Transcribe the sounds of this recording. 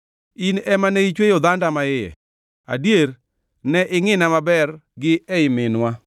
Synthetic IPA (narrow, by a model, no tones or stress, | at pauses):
inɛmaneit͡ʃwejod̪andamaɪjɛ̰ | a̰djeɾ | nɛʔɪŋɪnamabɛrɡɪɛɪmɪnwa